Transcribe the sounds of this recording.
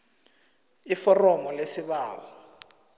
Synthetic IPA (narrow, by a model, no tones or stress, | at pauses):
ifɔrɔmɔlesiβaːwɔ